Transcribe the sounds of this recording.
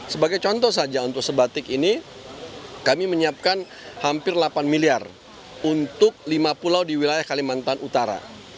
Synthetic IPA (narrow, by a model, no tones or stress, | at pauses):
səbaɡajt͡ʃɔnt̪ɔs̬ad͡ʒaunt̪ʊk̚səbat̪ɪkini | kamiməɲiap̚kan | hampɪrlapanmiliar | unt̪ʊk̚limapulawdiwilajahkalimant̪anut̪aɾa̰